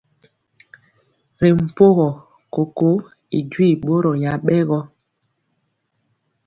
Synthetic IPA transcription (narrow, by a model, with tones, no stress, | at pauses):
ɾe˨m̩˨po˦ɣɔ˨ | ko˨ko˦ | i˨d͡ʒwi˦˨ɓo˦ɾɔ˨ɲa˨ɓɛ˦ɣɔ˦